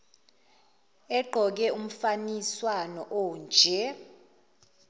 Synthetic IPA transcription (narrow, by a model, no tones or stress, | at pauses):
ɛǃʱɔk̬ɛum̩faniswanɔʔɔːnd͡ʒʱɛ